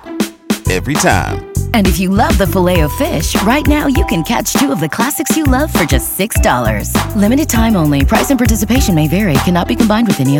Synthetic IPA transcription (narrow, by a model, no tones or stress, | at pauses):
ɛ̰vɹitʰã̰ɪ̃mɨ̃nɨfjɨlʌvðəfəleɪoʊfɪʃɹaɪtⁿnaʊjɨkɨ̃nkʰæ̰t͡ʃtʰʉʌvðɨkʰl̥æsɨksjɨlʌv̥fə˞d͡ʒʌstsɪksd̥ɔ̰lˠə̰˞z̥lɪ̃mɨɾɨd̚tʰãɪ̃mõʊ̃nlipʰɹ̥aɪzɨ̃npʰɑɹtɪsɨpeɪʃɨ̃nmeɪvɛɹikʰænɑt̚b̥ikʰm̩bãɪ̃ndwɨðɛni